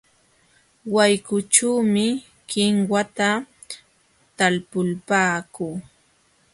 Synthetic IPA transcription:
wajkʊt͡ʃuːmɪ | kɪŋwat̪a | t̪alpʊlpaːkuː

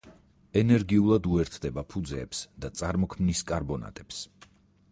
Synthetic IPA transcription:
ɛnɛɾɡiulˠad̪uɛɾt̪ʰd̪ɛbapʰud̪zɛ̰ːpsd̪at̪sʼaɾmɔkʰmniskʼaɾbɔna̰t̪ʼɛps

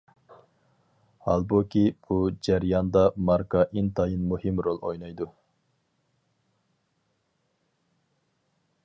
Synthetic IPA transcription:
hɑ̰lˠbukʲʰib̥ud͡ʒæɾjɑnd̪ɑmɑɾkɑʔint̪ʰɑjɨnmuhɨmɾolˠojnɑjd̪u

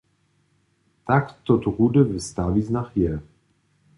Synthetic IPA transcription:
t̪akt̪ot̪ʁudɛvɛst̪aːviznaxjɛ

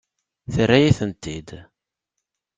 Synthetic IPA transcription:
θərːæjæθənt̪id̪

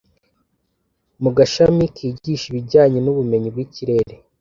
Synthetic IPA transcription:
muɡaʃamikʰiːɟiːʃiβiɟaːɲenuβume̞ɲib̚ɡiciɾe̞ɾe̞

